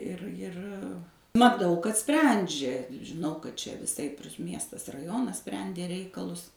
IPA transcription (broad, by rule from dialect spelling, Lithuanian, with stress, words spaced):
ˈɪr ˈjɪr mɐˈtɐʊ kɐt ˈsʲpʲrʲɛnʲd͡ʒʲɛ ʒʲɪˈnɐʊ kɐt ˈt͡ʃʲɛ ʋʲɪˈsɐɪp ɪr ˈmʲiɛstɐs rɐˈjoːnɐs ˈsʲpʲrʲɛnʲdʲeː ˈrʲɛɪkɐlˠʊs